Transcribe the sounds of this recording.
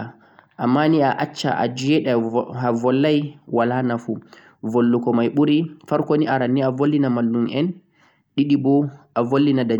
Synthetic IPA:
ʔamːaniaʔat͡ʃːa̰ʔa̰d͡ʒijɛɗɛhavɔlːajwalanafu | volːukɔmajɓuɾifaɾkoniʔaɾanːiavolːinamalːunɛn | ɗiɗibɔʔavolːinada

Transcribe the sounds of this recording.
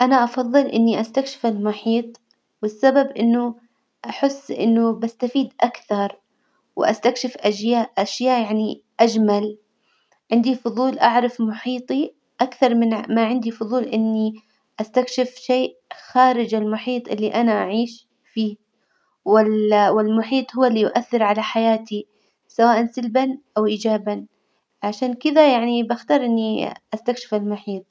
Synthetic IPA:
ʔanaʔɑfɑðˤːɨlʔɪ̰nːiʔast̪akʃɪ̥fɪlmʊħiːt̪ˤ | wɪsːababʔɪnːʊ | ʔaħɪsːʔɪ̰nːʊbast̪afiːd̪ʔakθɑɾˤ | wɪʔa̰st̪akʃɪfʔaʃjaːʔʔaʃjaːʔjaʕni | ʔad͡ʒmal | ʕɪnd̪ifʊðˤuːlʔaʕɾˤɑfmʊħiːt̪ˤi | ʔakθɑɾˤmɪnmaʕɪnd̪ifʊðˤuːlʔɪnːi | ʔast̪akʃɪfʃeːʔxaːɾɪd͡ʒɪlmʊħiːt̪ˤʔɪlːiʔanaʔaʕiːʃ | fiː | wɪlwɪlmʊħiːt̪ˤhʊwːlːiːjʊʔaθːɪɾʕalaħajaːt̪i | sawaːʔansalbanʔawʔiːd͡ʒaːban | ʕaʃaːnkɪd̪ajaʕnibaxt̪ɑːɾˤʔɪnːiʔast̪akʃɪ̥fɪlmʊħiːt̪̚ˤ

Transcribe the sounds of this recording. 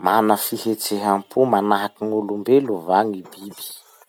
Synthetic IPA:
manəfihet͡seɦampʰumanaɦakiŋulumbeluvaŋibibi̥

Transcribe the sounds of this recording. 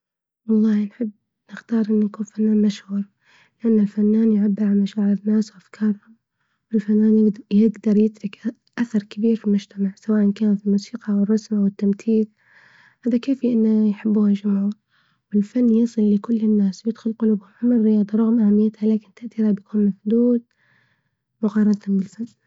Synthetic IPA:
wɑlˤːɑːhnħɪbː | nɪxt̪ɑːɾˤʔɪnːanakuːnfanːaːnmaʃhuːɾ | lɪʔanːalfanːaːnjʕabːɪɾʕalmaʃaːʕɪɾɪnːaːswʔafkʰɑːɾˤhʊm | wɪlfanːaːnjjɪɡd̪ɑɾˤjɪt̪ɾɪkʔ | ʔaθɑɾˤkɪbiːɾfilmʊd͡ʒt̪amaʕsawaːʔankaːnailmuːsiːqɑwɨrˤːɑsmʔawɪt̪ːamθiːð | haːðakeːfiʔɪnːajħɪbːuːhad͡ʒʊmʕuːɾ | wɪlfanːjɑːsˤɨlːɪkʊlːɪnːaːswjɪd̪̥xʊlqʊluːbhʊmhʊmɪrːɪjɑːd̪ˤɑɾˤɑɣmʔahamːɪjːat̪halaːkɪnt̪aʔt̪iːɾabjakʰuːnmafd̪uːd̪ | mʊqɑːɾˤɑd̪t̪hʊmbɪlfanː

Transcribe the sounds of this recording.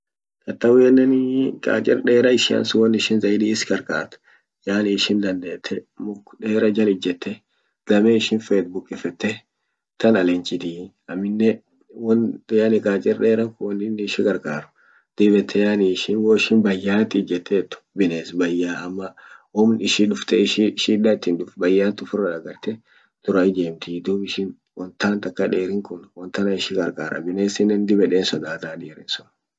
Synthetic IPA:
t̪ʼɐt̪ːɐwɛnːɐnkʼa̰ːt͡ʃʼɪ̰ɾᶑe̞ːɾɐɪʃɪɐ̰nsʊwɔnːɪʃɪnzɐɪd̪iːɪskʼɐɾkʼa̰ːt̪ʊ̥ | jaːniɪʃɪnd̪ɐnd̪eːt̪ʰːɛmʊkːᶑe̞ːɾɐd͡ʒɐlɪd͡ʒːɛt̪ːɛ | d̪̥ɐmɛɪʃɪnfet̪bʊkʼɪfɛt̪ːɛ | t̪ɐnɐlɛnt͡ʃʼɪd̪iː | ɐmːɪnːɛ | wɔnjanɪkʼaːt͡ʃʼɪɾɗeːɾɐkwɔnɪnːɪːʃɪɡɐɾkʼaːɾʊ̥ | d̪̥ɪbɛt̪ʰːɛjaːniʃɪwoːɪʃɪnbɐjːaːt̪ɪd͡ʒɛt̪ːeːt̪ːʊ̥bɪneːsbɐjːaːɐmːɐwɔmnɪʃɪᶑʊft̪ɛʃɪʃiᶑaɪt̪ːɪnᶑʊfbɐjːaːt̪ʊfʊrːɐᶑɐɡɐɾt̪ɛ | d̪̥ʊɾɐɪd͡ʒ̪eːmt̪ɪd̪uːbɪʃɪn | wɔnt̪aːnt̪ɐkːɐᶑeːɾɪŋkʊnwɔnt̪ɐnɐɪʃɪɡɐɾkʼa̰ːɾʔɐ̰bɪneːsɪnːɛnd̪ɪbɛᶑeːnsɔd̪aːt̪aːᶑiːɾɪ̰nsʊn

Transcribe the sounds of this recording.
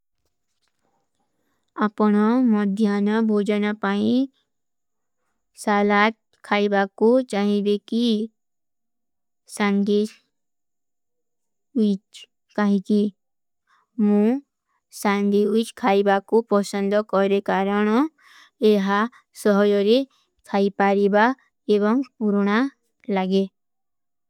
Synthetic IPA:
apɔɽ̃ɔmɔd̪ʱjanɔbʱod͡ʒɔnapaĩ | salat̪̚ | kʰaibakut͡ʃaɦĩbeki | sand̪e | uit͡ʃ | kaɦĩki | mũ | sãnd̪ʱiut͡ʃkʰaːibakupɔsə̃nd̪ɔkɔɾekaɾɔñɔ | eɦa | sɔɦɔjɔɾe | kʰaːipaɾiba | eβɔŋpuɾña | laɡe

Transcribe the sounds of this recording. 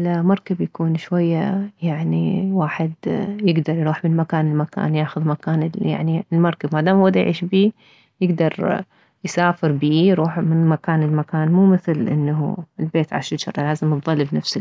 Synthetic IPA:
lmɑɾˤkabjakuːnʃwajːajaʕnḭwaːħɪd̪jɪɡd̪ɑɾˤjɾuːħmɪnmakaːnɪlmaka̰ːnjaːxʊðmakaːnɪlja̰ʕniɪlmɑɾˤkabmad̪aːmwad̪ajʕḭːʃbiː | jɪɡd̪ɑɾˤ | jsaːfɪɾbiːjɾuːħmɪnmakaːnɪlmakaːnmuːmɪθlʔɪ̰nːaɦṵɪlbeːt̪ʕa̰ʃɪt̪ʃɑ̰ɾˤlaːzɪmðˤɑlːbnafsɪ

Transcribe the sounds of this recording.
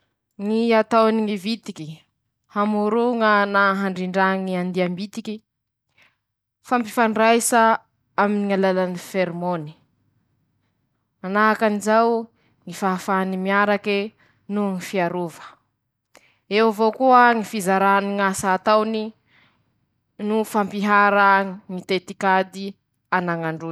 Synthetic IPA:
ŋiat̪awniŋivit̪iki | hamuɾuŋənaɦaɳɖ͡ʐiɳɖ͡ʐaŋiand̪iambit̪ikʲi | fampifaɳrajsa | aminiŋalalanifeɾmoni̥ | anaɦakanizaw | ŋifaafaanimiaɾake | nuŋifiaɾuvə̥ | ewvokuaŋifizaɾaniŋasaːt̪awni | nufampiɦaɾəŋit̪et̪ikad̪i | anaŋaɳɖ͡ʐu

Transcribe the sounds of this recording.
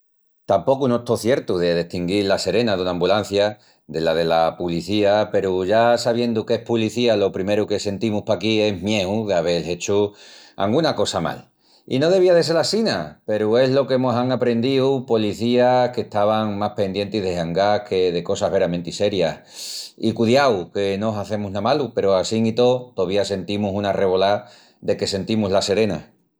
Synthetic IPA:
t̪ampo̞kunoet̪oθje̞ɾt̪uðe̞ðe̞ht̪iŋɡilase̞ɾe̞naðunãːmbulan̟θja | d̪e̞lað̞e̞lapuliθiape̞ɾuʝasaβ̞je̞nd̪uke̞hpuliθialo̞pɾime̞ɾuke̞se̞nt̪imuhpakie̞ɦmje̞uðeaβ̞e̞le̞t͡ʃua̰ŋɡunako̞sama̰l | ḭno̞ð̞e̞βiaðes̬e̞lasinape̞ɾue̞ɦlo̞kemosaŋapɾe̞nd̪iupoliθiahke̞ht̪aβ̞aŋmahpe̞nd̪je̞nt̪iɦðeɦaŋɡakʰe̞ðe̞ko̞saɦβe̞ɾamẽnt̪ise̞ɾjah | ikuðjawke̞noɦaθe̞muɦnamalupe̞ɾoasiŋit̪o̞t̪oβ̞iase̞nt̪imusunare̞βo̞la | d̪e̞ke̞se̞nt̪imuɦlase̞ɾe̞na̰

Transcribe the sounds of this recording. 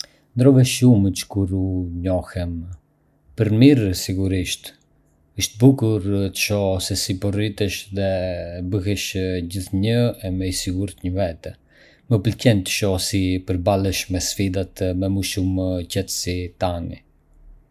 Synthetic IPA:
nd̪ɾɔvɛʃumt͡ʃkuɾuɲɔhɛm | pəɾmiɾsiɡuɾiʃt̪ | əʃt̪̚bukuɾt̪ə̥ʃɔsɛsipɔrit̪əʃðɛbəɦɛʃd͡ʑiθɲəɛmɛjsiɡuɾt̪ɲəvɛt̪ɛ | məpəlcɛnt̪ə̥ʃɔsipəɾbalˠɛʃmɛsfid̪at̪mɛmuʃumcɛt̪ə̥sit̪anḭ

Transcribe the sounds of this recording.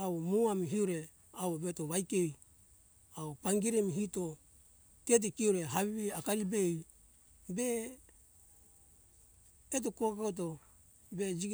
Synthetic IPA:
aomuamiɦiuɾe̞ | awβetoβajkej | aopaŋɡiɾemiɦito | tet̬ikiuɾe̞ɦaβiβiakaɾibej | be | t̬okokkaot̬o̞ | be̞d͡ʒiɡ

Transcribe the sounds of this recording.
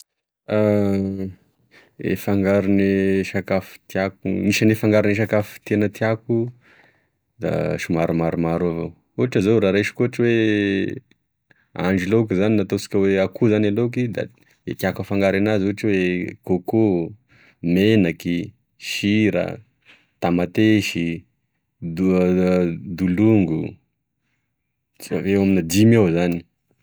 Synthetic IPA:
a | ḛfaŋɡaɾuniʃakafu̥t̪iakumiʃanefaŋɡaɾuniʃ̬akafi̥t̪enət̪iaku | d̪a̰ʃumaɾumaɾumaɾavo̰ | uaʈ͡ʂazowɾaɾeʃi̥kuaʈ͡ʂiwe | a̰ɳɖ͡ʐilok̬izaninat̪osi̥kʲəweakʰuzanalok̬id̪a̰ | ekjakəfaŋɡaɾanazuʈ͡ʂwekoko | menaki | ʃiɾə̰ | t̪amat̪eʃi | d̪uluŋɡu | veaminad̪imawzani̥

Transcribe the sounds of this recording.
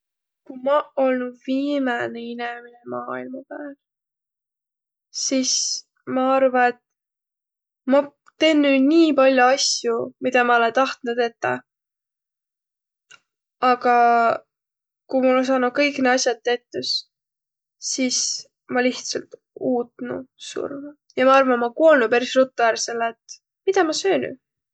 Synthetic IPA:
kumɑo̞lnudviːmɑneineminemɑːilmɑpaːl | sis | mɑɑrvɑet̪ | mɑ | t̪e̞nːyniːpɑlʲjuɑsjumid̪̥ɑmɑo̞lent̪ɑht̪nud̪e̞t̪ːɑ̰ | ɑɡɑ | kujmulens̬ɑːnu̥kɤjkneɑsʲjɑd̪̚t̪ːe̞t̪ːus | sis | mɑliht̪sɑlt̪ | uːt̪nṵsṵrv | jɑmɑɑrvɑnmɑkuo̞lnupæɾisrut̪ːˑuærseleːt̪ | mid̪ɑmɑsøːny̰

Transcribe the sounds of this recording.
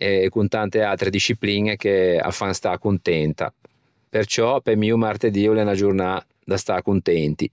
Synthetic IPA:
ɛɛkːunt̪ant̪ealt̪ɾed̪iʃːiplinek̟ea̰fːanst̪akunt̪ɛnt̪a̰ | pert͡ʃɔpemiːumart̪ed̪iulɛnad͡ʒurna | d̪ast̪akunt̪ɛnt̪i

